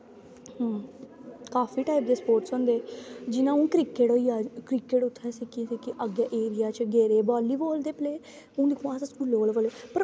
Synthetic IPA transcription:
ɦː | kaːfiːʈaːip̚d̪eːspoːɾʈsɦõːnd̪eːd͡ʒɪnãːũːkɾɪkeʈoːiːaːkɾɪkeʈʊt̪ʰːɛːsikisikɪʔəɡjaːʔeːɾɪjaːt͡ʃɡeːɾeːbaːliːboːld̪eːpleː | ũːd̪ikʰãːsskuːloːlʋəːleːpəɾ

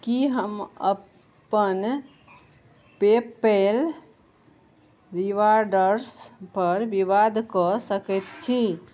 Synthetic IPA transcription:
kiɦəmə̰ | pən | pepːel | ɾiʋaɾɖəɾspəɾbiʋad̪ʱkɔsəkɛt̪t͡ʃʰi

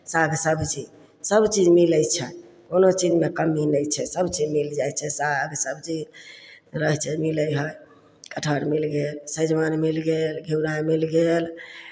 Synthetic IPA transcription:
saɡsəbt͡ʃid͡ʒ | səbt͡ʃid͡ʒmiləjt͡ʃʰɛ | konot͡ʃid͡ʒmekəmːinəjt͡ʃʰɛsəbt͡ʃid͡ʒmild͡ʒajt͡ʃʰɛsaɡsəbt͡ʃid͡ʒ | ɾəɦt͡ʃʰɛmiləjɦəj | kəʈʰəɾmilɡelsə̃d͡ʒmanmilɡelɡʱiwnamilɡel

